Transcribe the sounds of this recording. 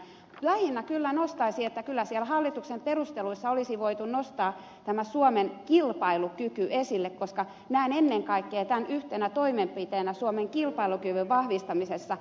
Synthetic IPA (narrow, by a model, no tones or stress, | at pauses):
læhinːækylːænost̪ɑisiet̪ːækylːæsiælhɑlːit̪uksemperust̪eluisːɑolisiʋoit̪unnost̪ɑː | t̪æmæsuomenkilpɑilukykyesilːekkoskɑ | næinenːeŋkɑikːeːt̪ænʔyht̪enæt̪oimempit̪eːnæsuomeŋkilpɑilukyʋyʋʋɑhʋist̪ɑmisesːɑ